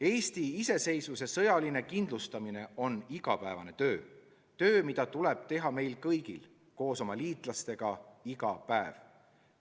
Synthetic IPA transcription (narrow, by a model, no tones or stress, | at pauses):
e̞ːst̪iise̞se̞jsvuse̞sɤjɑline̞kind̪lust̪ɑmine̞o̞niɡ̥ɑ̰pæevɑ̰ne̞t̪ø̞ː | t̪ø̞ːmid̪̥ɑt̪ule̞b̥t̪e̞ɦɑme̞jlkɤjɡ̥il | ko̞ːso̞mɑliːt̪ˑlɑst̪e̞ɡ̥ɑiɡ̥ɑpæev̥